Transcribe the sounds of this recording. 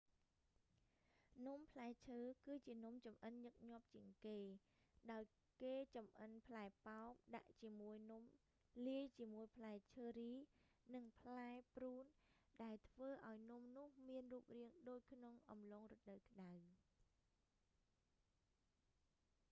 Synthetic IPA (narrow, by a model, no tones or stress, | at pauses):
nŭmpʰlaɛt͡ɕʰəːkɨːt͡ɕiənŭmt͡ɕɑmʔənɲɨk̚ɲŏəp̚t͡ɕiəŋkeː | ɗaɔj | keːt͡ɕɑmʔənpʰlaɛpaɔk̚ɗa̰ʔt͡ɕiəmuəjnum | liəjt͡ɕiəmuəjpʰlaɛt͡ɕʰəːɾiːnɨŋpʰlaɛpruːnɗaɛlt̪ʰʋəːʔaɔjnŭmnʊ̆əhmiənruːp̚riəŋɗoːc̚kʰnoŋʔɑ̰mloːŋrət̪̚ɗəwkə̆ɗaw